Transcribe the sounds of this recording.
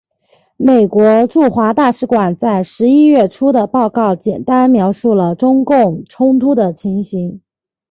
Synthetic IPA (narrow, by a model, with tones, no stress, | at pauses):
me˨˩ɪkwɔ˧˥ʈ͡ʂu˥˩xwa˧˥t̪a˥˩ʂɻ̩˧˥kwa˨˩nt͡sa˥˩ɪʂɻ̩˧˥i˥ɥɛ˥˩ʈ͡ʂʰu˥d̪ə˨pɑ˥˧ʊkɑ˥˩ʊt͡ɕjɛ˨˩nt̪a˥nmjɑ˧˥ʊʂu˥˩lə˩ʈ͡ʂʊ˥ŋkʊ˥˩ŋʈ͡ʂʰʊ˥ŋt̪ʰu˥d̪ə˨t͡ɕʰi˧˥ŋɕi˧˥ŋ